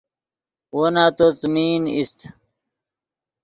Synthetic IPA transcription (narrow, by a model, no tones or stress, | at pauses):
wonaːt̪ot͡smiːnist̪